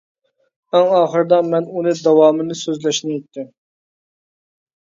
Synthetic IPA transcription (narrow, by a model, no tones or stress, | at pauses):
æŋɑːχəɾɨd̪ɑmɛnunɨd̪ɑwɑːmɨnɨsøzlɛʃnɪjɛt̪ːɪm